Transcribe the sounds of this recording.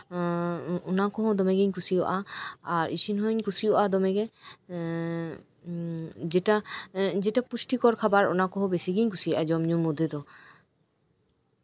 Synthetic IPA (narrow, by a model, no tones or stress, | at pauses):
ɔnakɔɦɔ̃d̪ɔmɛɡiɲkusijɔ̰ʔaaɾḭsinɦɔɲkusijɔʔad̪ɔmɛɡɛ | d͡ʒɛʈad͡ʒɛʈapusʈikɔɾkʰabaɾɔ̰nakɔɦɔ̃besiɡiɲkusiɔʔad͡ʒɔmɲumud̪ʱed̪ɔ